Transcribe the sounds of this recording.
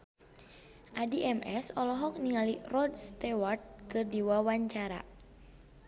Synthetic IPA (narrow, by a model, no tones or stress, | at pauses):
ʔadiʔɛmʔɛsɔlɔɦɔk̚niŋalirɔdst̪ɛwart̪̚kɨrdiwawaɲt͡ʃaɾa̰